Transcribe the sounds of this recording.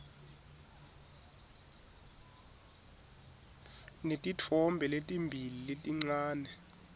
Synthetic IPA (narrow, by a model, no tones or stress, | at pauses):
netʼitʰɔmbʱɛletʼimbʱililetʼiŋ͡ǀaːnɛ